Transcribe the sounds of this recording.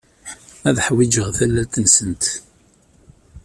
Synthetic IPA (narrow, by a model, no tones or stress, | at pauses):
æðħwid͡ʒəʁθælːælt̪ənsənt̪